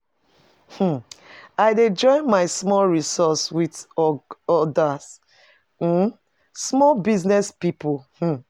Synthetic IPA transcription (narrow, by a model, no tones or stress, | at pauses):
h̩aɪded͡ʒɔ̃ɪ̃nmaɪsmɔlɹisɔswidɔɔdas̩ | smɔlbiznɛspipulh̩